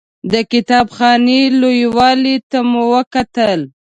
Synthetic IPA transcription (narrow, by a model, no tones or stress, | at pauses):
d̪əkɪt̪ɑbxɑnelojwɑlit̪amuwəkat̪əl